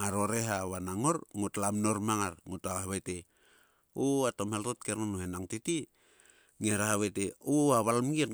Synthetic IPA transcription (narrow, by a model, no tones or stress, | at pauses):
aɾoɾeɦaβanaŋoɾŋutlamno̞ɾmaŋaɾŋutaahaβete | uatomeltot̚keɾnonohenaŋtiti | ŋeɾaɦaβeteuaβalmɡit